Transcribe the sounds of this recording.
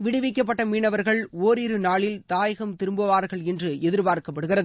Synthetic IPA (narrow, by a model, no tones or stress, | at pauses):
ʋɪɽɯʋɪk̬ːɐp̬ːɐʈːɐmiːɳɐʋɐɾɣɐɭoːɾiɾɯnaːɭɪlt̪aːjɐɣɐmt̪ɪɾɯmbɯʋaːɾɣɐɭɛndrɯɛðɪɾbaːɾkɐpːɐɽɯɣɪrɐðɯ